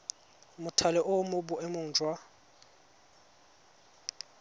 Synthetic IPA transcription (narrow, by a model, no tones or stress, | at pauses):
mʊtʰalɛʔʊmʊbʊʔɛmʊːd͡ʒʱʼwa